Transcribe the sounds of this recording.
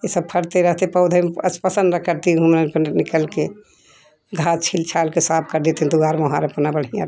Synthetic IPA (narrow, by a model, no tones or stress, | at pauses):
esəb̚pʰəɽt̪eɾəɦt̪epəʊd̪ʱəməspəsənɾəkʰəɾt̪iɦumɾənpənnikəlke | ɡʱat͡ʃʰilt͡ʃʰalkesap̚ʰkəɾd̪et̪ẽd̪uɡaɾmeɦaɾəpnabəɽ̤ijã̰